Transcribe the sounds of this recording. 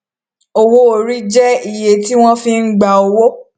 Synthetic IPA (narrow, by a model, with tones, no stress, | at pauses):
o˨wo˦o˨ɾi˦d͡ʒɛ˦i˨je˨ti˦w̃ɔ̃˦fĩ˧n̩˦ɡ͡ba˨o˧wo˦